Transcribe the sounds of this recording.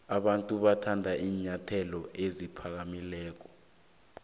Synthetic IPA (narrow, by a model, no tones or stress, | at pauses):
aɓantʼuɓatʰandʱaʔiːɲatʰɛlɔezipʰak̬amilɛːk̬ɔ̥